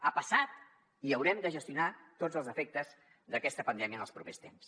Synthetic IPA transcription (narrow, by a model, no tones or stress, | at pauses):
apəsat̪̚ | iəwɾɛmd̪əʒəst̪iunat̪od͡zəlˠzəfɛk̚t̪əz | ðəkɛst̪əpənd̪ɛmiənəlˠspɾupest̪ems